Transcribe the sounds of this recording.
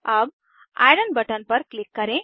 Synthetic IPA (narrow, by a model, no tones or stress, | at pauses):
ɐb̚ | a̰jɽəɳbɐʈənpəɾklɪkːəɾẽ